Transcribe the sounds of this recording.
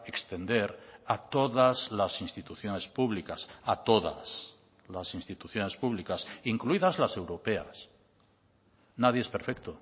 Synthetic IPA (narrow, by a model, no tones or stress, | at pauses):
e̞kst̪e̞nd̪e̞ɾat̪o̞ðazlasinst̪it̪uθjone̞spuβlikasat̪o̞ða̰s | lasinst̪it̪uθjo̞ne̞spuβlikasiŋkluiðazlase̞wɾo̞pe̞a̰s | nað̞jeespe̞ɾfek̚t̪o